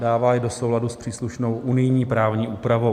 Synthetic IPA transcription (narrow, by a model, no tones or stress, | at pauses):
daːvaːɪdo̞so̞wladuspr̝̥iːsluʃno̞wʔunɪjɲiːpɾaːvɲiːʔuːpɾavow